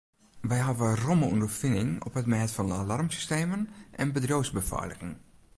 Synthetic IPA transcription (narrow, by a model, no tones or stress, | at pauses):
ʋɛjɦavəroməṵndərfɪnɪŋɔ̰pətmɛːtfɔndəalarmsy̥steːmənʔɛnbədroːzbəfa̰ːləɣɪŋ